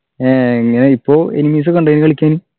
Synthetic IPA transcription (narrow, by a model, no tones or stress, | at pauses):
eiŋːɐneipːo̞ːenimiːs̬ɨkːoɳɖɐnɨkɐɭikʲːaːnu